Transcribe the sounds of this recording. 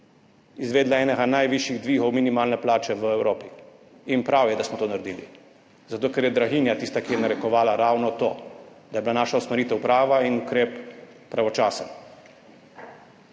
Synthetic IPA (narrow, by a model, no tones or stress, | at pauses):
izʋeːd̪laɛːnɛɡanajʋiʃjiɣd̪ʋiːɣɔwminimaːlnɛplaːt͡ʃɛʋəɛwɾoːpi | inpɾawjɛd̪asmɔt̪oːnaɾd̪iːlḭ | zat̪oːkɛɾjɛd̪ɾaɣiːnjat̪iːst̪akijɛnaɾɛkɔʋaːlaɾaːwnɔt̪o̰ːd̪ajɛbilanaːʃausmɛɾit̪ɛwpɾaːʋainukɾeːpː | ɾaʋɔt͡ʃaːsən